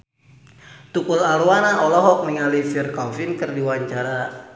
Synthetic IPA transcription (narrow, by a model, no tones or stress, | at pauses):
t̪ukulaɾuwanaɔlɔɦɔk̚niŋalifirkɔfinkɨrdiwaɲt͡ʃaɾa